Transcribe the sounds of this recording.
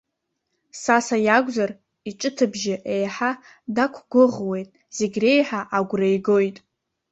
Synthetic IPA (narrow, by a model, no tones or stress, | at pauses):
sasajaɡʷzar | iʈ͡ʂʼɨtʰɨbʒɪʔejħa | dakʷʰɡ̥ʷʊʁwe̞jtʼ | z̥eɡʲre̞jħaʔaɡʷrajɡo̞jtʼ